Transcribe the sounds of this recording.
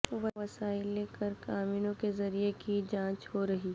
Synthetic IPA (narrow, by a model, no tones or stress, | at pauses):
ʋɐʋɐsaːɪlːeːkəɾkaːmɪnõkezɐɾijekid͡ʒãːt͡ʃhoɾɐɦiː